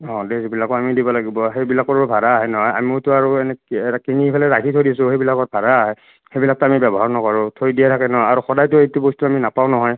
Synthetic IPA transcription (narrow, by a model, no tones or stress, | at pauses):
ɔ̃dezebilakɔamidibɔlaɡibɔxejbilakɔɹbʱaɾaːɦɛnɔɦɔja̰miʊtʊaɹuɛnɛɛtakiniipʰalɛɹakʰitʰojdiasʊ̃xejbilakɔt̚bʱaɹaaɦɛ | xejbilak̚tɔamibɛbɔɦaɹnɔkɔɹʊ̃tʰoɹidijɛtʰakɛnɔɦɔaɹuxɔdajtʊejtubɔstuaminapaʊ̃nɔɦɔj